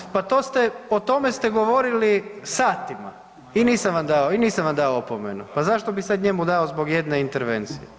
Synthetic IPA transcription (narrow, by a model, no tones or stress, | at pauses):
pat̪o̞ːst̪eot̪o̞me̞st̪eɡo̞ʋo̞ɾilisaːt̪ima̰ | iniːsamʋamd̪aoiniːsamʋamd̪aoopomenupazaʃt̪o̞bisad̪ɲe̞mud̪aozbo̞ɡje̞d̪neint̪eɾʋḛnt̪sije